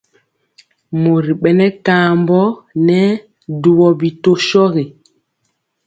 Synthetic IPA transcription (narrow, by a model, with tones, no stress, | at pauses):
mo˨ɾi˨ɓɛ˨nɛ˦kaː˨˦mbɔ˦nɛ˦ | du˦wɔ˨bi˨to˦ʃɔ˦ɣe˨